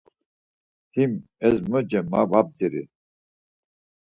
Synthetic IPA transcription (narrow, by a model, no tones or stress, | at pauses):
himɛzməd͡ʒɛma̰vab̚diɾḭ